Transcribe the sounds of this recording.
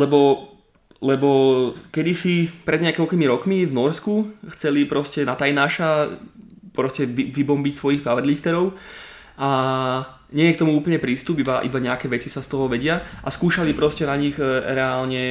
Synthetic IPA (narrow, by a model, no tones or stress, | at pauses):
lɛbɔ | lɛbɔkɛd̪isipɾɛd̪ɲɛakɔʎkimiɾɔkmivnɔɾskuxt͡sɛlipɾɔscɛnat̪ajnaːʃa | pɾɔscɛʋiʋibɔmbicsʋɔjixpɾaʋɛd̪lift̪ɛɾɔʊ | a | ɲɛjɛkt̪ɔmuuːpl̩ɲɛpɾiːst̪ubibaʔḭbaɲɛakɛːʋɛt͡sisast̪ɔɦɔʋɛɟɪaʔaskuːʃalipɾɔscɛnaɲiɣɾɛaːlɲɛ